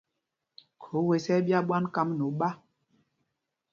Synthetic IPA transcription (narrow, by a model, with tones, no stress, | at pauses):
kʰo˨˦we˨sɛ˦bja˦ɓwa˦nka˦mno˨˦ɓa˦